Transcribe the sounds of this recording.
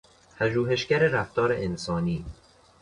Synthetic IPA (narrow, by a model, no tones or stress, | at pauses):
pʰæʒuːɦe̞ʃɟæɾeɾæft̪ɒːɾeʔensɒːniː